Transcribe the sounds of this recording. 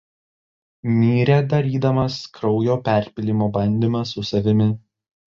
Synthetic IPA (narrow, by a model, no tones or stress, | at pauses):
mʲiːɾʲɛd̪ɐɾʲiːd̪ɐmɐskɾɒʊjoːpʲæˑɾʲpʲɪlʲimoːbɐnʲd̪ʲimɐsːʊsɐʋʲɪmʲɪ